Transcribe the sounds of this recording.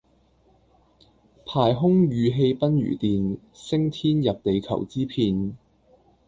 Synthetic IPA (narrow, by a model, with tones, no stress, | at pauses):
pʰaː˨˩jɦʊ˥ŋjyː˨˧ɦe˧jpɐ˥nɥy̰ː˨˩t̪iː˨n | sɪ˥ŋt̪ʰiː˥njɐ˨p̚t̪e˨˧jkʰɐ̰˨˩wt͡siː˥pʰiː˧n